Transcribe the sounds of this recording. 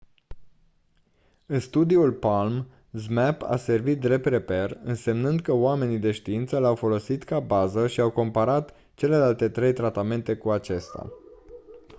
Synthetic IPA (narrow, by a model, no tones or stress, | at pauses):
ɨnst̪ud̪iulpalm | zmapa̰se̞rvit̪̚d̪re̞p̚t̪ɾe̞pe̞rɨnse̞mnɨnd̪kəoame̞nid̪e̞ʃt̪iint̪səlawfo̞lo̞sit̪kabazəʃiawko̞mpaɾat̪ | t͡ʃe̞le̞lalt̪e̞t̪ɾe̞jt̪ɾat̪ame̞nt̪e̞kuat͡ʃe̞st̪a̰